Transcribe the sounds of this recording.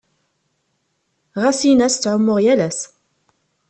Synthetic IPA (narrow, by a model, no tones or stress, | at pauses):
ʁasinæst͡sːʕʊmːʊʁjælæs